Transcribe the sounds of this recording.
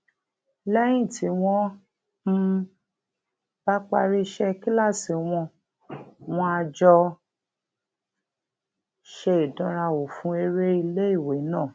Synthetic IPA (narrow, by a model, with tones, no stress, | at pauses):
lɛ˦j̃ĩ˦˨ti˨˦w̃ɔ̃˦ | ba˦k͡pa˧ɾi˦ʃɛ˦ki˦la˦˨si˨˦w̃ɔ̃˧ | w̃ɔ̃˦a˧d͡ʒɔ˧ | ʃe˧˨i˨dɔ̃˦ɾa˧wo˨fũ˨˦e˧ɾe˦i˧le˦i˦˨we˨˦nãː˦˨